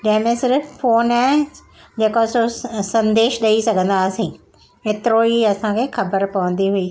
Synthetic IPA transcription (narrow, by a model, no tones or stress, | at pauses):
d͡ʑɐ̃ɦɪ̃mẽsɪɾffoːnaː | d͡ʑeːkososɐ̃nd̪eːʃɗɐisɐɡʱə̃nd̪aːsĩː | ɦeːt̪ɪɾoiɐsãkʰeːxɐbəɾpɐʋə̃nd̪iɦuiː